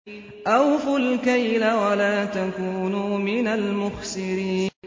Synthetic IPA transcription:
ʔawfʊlkajlawalaːt̪akuːnumɪnalmʊxsɪɾiːn

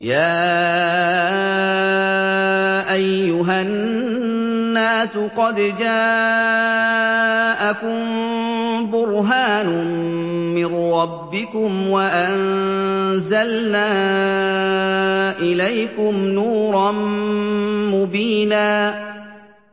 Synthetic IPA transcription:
jaː | ʔajːʊɦan | aːsʊqɑd̪d͡ʒaː | ʔakʊm | bʊɾɦaːnʊ | mɪnːɑbːɪkʊmwaʔan | zalnaː | ʔɪlajkʊmnuːɾˤɑ | mʊbiːnaː

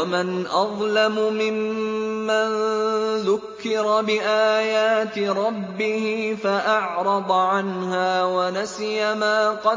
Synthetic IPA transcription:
amanʔɑðˤlamʊmɪmː | anðʊkːɪɾɑbɪʔaːjaːt̪ɪɾˤɑbːɪhɪfaʔɑʕɾˤɑd̪ˤʕanhaːwanasjamaːqɑ

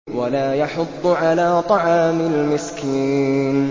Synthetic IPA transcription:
walaːjɑħʊt̪ˤːʊʕalaːt̪ˤɑʕɑːmɪlmɪskiːn

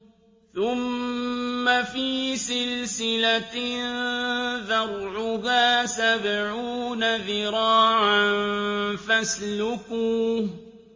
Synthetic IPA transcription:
θʊmː | afiːsɪlsɪlanðɑrˤʕʊɦaːsabʕuːnaðɪɾɑːʕanfaslʊkuː

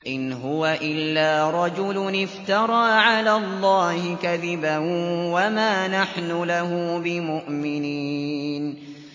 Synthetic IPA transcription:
ʔɪnɦʊwaʔɪlːaːɾˤɑd͡ʒʊlʊnɪft̪ɑɾˤɑːʕalaːlˤːɑːhɪkaðɪbanwamaːnaħnʊlahʊbɪmʊʔmɪniːn

